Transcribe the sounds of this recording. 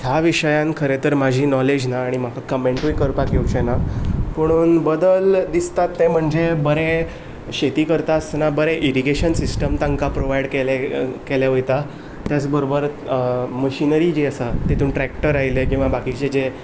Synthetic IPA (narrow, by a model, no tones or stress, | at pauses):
t̪ʰjaʋiʂəjãnkʰəɾet̪əɾmad͡ʑʱiːnɔled͡ʑnaːɽ̃im̤akʰakəmẽɳʈujkəɾpakjut͡ɕenapəɽ̃uːnbəd̪əld̪ist̪at̪ːẽm̤əɳd͡zebəɾe | ɕet̪iːkəɾt̪asnabəɾeʔiɾiɡeɕənsisʈəmt̪aŋkapɾoʋajɽkelekeljaɦojt̪a | t̪jat͡sbəɾobəɾməɕinəɾid͡ʑiəsat̪et̪uːnʈɾækʈəɾajlekĩʋabakit͡ɕed͡ze